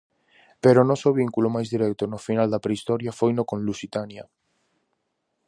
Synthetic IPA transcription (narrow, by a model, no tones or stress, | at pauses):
peɾonosoβ̞iŋkulomajzðiɾɛk̚t̪onofinald̪apɾeist̪ɔɾjafojnokõnlusit̪anja